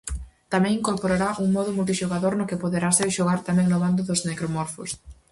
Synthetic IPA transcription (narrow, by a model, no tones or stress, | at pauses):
t̪amɛ̃ŋĩŋkoɾpoɾaɾaʔuŋmɔðʊmult̪̬iʃoɣaðoɾnʊkɪpoðeɾaseɾʃoɣ̞aɾt̪amɛ̃ŋnoβand̪ʊðʊznekɾomɔɾfo̰s